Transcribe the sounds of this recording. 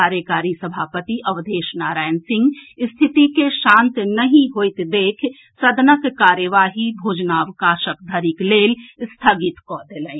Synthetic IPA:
aːɾjəkaːɾisɐbʱaːpət̪iʔɐʋd̪eːʃnaːɾaːɪnsɪ̃ŋɡst̪ʰɪt̪ikeʃãːnt̪nɐɦĩɦoːɪt̪d̪eːkʰ | sɐd̪ʱnəkkaːɾjəʋaːɦibʱoːd͡ʒnaʋkaːʃəkd̪ʱəɾikleːlst̪ʰaːɡɪt̪kɔːd̪elə̃ː

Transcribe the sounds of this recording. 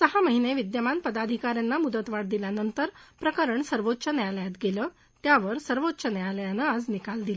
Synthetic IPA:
səɦaməɦineʋid̪jəmanpəd̪ad̪ʱikaɾjanːamud̪ət̪ʋaɽd̪iljanənt̪əɾpɾəkəɾəɳsəɾʋot̪ːɕənjaljat̪ɡeləː | t̪jaʋəɾsəɾʋotːɕənjaljanəːad͡znikald̪ilə

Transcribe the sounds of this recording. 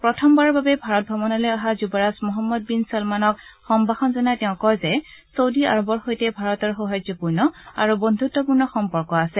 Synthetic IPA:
pɹɔtʰɔmbaɹɔɹbabɛbʱaɹɔt̚bʱɔmɔnɔlɛjaɦazubɔɹasmɔɦɔmːɔd̚binsɔlmanɔkxɔmbʱaxɔnzɔnajtɛʊ̃kɔjzɛsowdia̰ɹɔbɔɹxojtɛbʱaɹɔtɔɹxɔɦajd͡ʒɔpuɹnɔa̰ɹubɔnd̪ʱutːɔpuɹnɔxɔmpɔɹkɔasɛ

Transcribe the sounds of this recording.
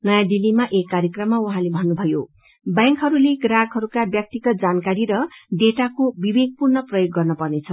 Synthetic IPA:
nʌjãdilːimaʔekːaɾjekrʌmːauɦãlebʱʌnːubʱʌjo | bãŋkɦʌɾuleɡraɡɦʌɾukabjʌk̚t̪iɡʌt̪̚d͡zankaɾiɾʌɖeʈakobibeɡ̚purnʌprʌjoɡːʌrnʌpʌrnet͡sʰʌ

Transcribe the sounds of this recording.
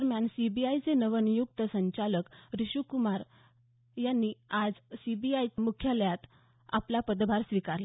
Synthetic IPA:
əɾmjansibiajt͡senəʋənijukt̪əsəɲt͡ɕaləkɾiɕukumaɾ | janːiad͡zsibiajmukʰjaljat̪ | a̰plapəd̪bʱaɾsʋikaɾla

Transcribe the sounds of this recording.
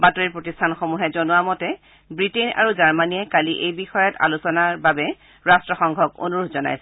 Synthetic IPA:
batoɹiɹpɹotistʰanxomuɦɛzonʊwamɔtɛ | bɹitena̰ɹuzaɹmanijɛkaliʔejbixɔjɔta̰lusɔnaɹbabɛ | ɹastɹɔxɔŋɡʱɔɡo̰nuɹudʰʱzɔna̰jsɛ

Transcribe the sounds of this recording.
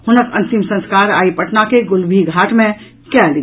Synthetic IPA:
hʊnəkɐ̰̃nt̪ɪmsɐ̃nskaːɾa̰ːipəʈnakeɡʊlbʱiɡʱaːʈmẽ | kɛli

